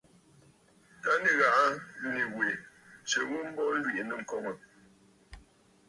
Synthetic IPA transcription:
ta˦ni˦ɣa˨ʔa˦ju˦ni˨we˨ | t͡ʃə˨ɣu˦m̩˦bɔ˦lwi˦˨ʔnə˦˨ŋ̩˨kɔ˦ŋə˨

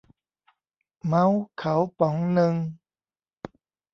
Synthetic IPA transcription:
ma˦˥wkʰa˨˦wpɔ˨˦ŋnɯ˧ŋ

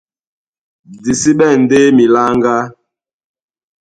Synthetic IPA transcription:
di˨si˦ɓɛ˦˨n˨de˦mi˨la˦ŋɡa˦

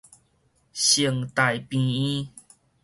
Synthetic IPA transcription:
ɕi˨˧˨əŋt̪a˨˩jpĩ˧ĩ˦

